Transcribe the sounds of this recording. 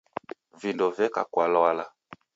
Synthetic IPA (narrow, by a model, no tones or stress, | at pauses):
vindɔvɛka̰kwalɔala